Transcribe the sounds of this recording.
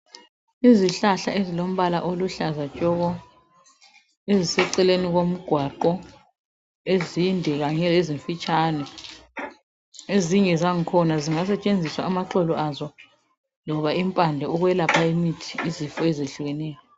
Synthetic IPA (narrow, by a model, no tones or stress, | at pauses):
iziɬaɬa̰ʔezilom̩βalaʔoluɬazat͡ʃʼɔɣɔ | ezisɛǀɛleniɣom̩ɡ̥ʱwaǃɔ | ezindʱɛɣaɲɛleziɱfit͡ʃʼanɛ | eziŋɛzaŋ̩kʰɔnaziŋas̬ɛt͡ʃʼend͡zʱiswaːmaǃɔlɔʔazɔ | lɔβaimpʼandʱɛuɣwɛlapʰaemitʰi̥ːzifɔɛzeɬuɣɛnɛːjɔ